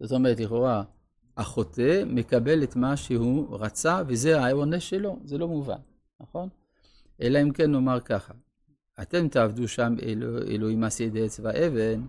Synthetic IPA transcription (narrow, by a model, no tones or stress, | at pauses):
z̥ot̪o̞meʁet̪liχoʁa | aχotemekabelet̪maʃehuʁat͡savezeaoneʃelo̞zelo̞muva̰n | naχo̞n | ʔelaimkenːo̞maʁkaχa | at̪emt̪aavd̪uʃamḛloḛloimased̪eet͡svaʔeven